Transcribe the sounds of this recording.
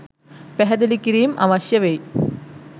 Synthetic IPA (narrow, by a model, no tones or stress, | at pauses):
peɦɐd̪ulikːiɾijmʔɐ̰ʋɐɕjɐʋe